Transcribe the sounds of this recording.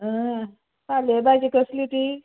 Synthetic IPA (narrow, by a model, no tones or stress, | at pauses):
ɦə | salebajd͡ʑikəslit̪i